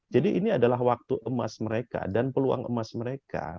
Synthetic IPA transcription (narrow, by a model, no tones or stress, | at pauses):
d͡ʒadiʔiniadalaɦwak̚t̪uʔəma̰sməɾeka̰danpəlua̰ŋʔə̰masməɾeka̰